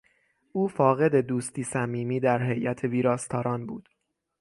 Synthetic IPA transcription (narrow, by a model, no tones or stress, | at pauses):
ʔuːfɒːɣe̞d̪e̞d̪uːst̪iːsæmiːmiːd̪æɾɦe̞jʔæt̪ʰe̞viːɾɒːst̪ʰɒːɾɒːnbuːd̪̥